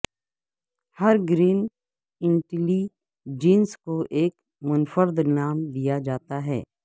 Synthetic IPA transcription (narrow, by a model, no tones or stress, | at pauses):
hɐɾɡɾiːn | ɪ̃ɳʈli | d͡ʒiːnskoʔeːk | mʊnfəɾd̪naːmd̪ijad͡ʒaːt̪aɦɛ̰ː